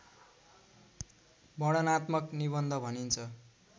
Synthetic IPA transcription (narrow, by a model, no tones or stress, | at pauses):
bʌɽʌnat̪mʌkniβʌnd̪ʱʌbʱʌnint͡sʰʌ